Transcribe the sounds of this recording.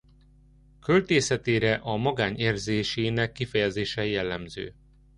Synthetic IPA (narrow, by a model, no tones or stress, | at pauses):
kølt̪eːsɛt̪eːɾɛʔɒmɒɡaːneːrzeːʃeːnɛkːifɛjɛzeːʃɛjɛlːɛmzø̰ː